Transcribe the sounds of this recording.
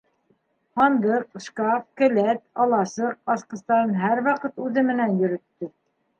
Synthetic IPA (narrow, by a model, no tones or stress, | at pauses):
ɑnd̪ɤqʃkɑfkɘ̆læt̪ɑlˠɑsɤq̚ɑsqɤ̆st̪ɑɾɤnɦæɾwɑqɤt̪ʉðɘmɘ̆nænjɵ̆ɾɵ̆t̪ːɵ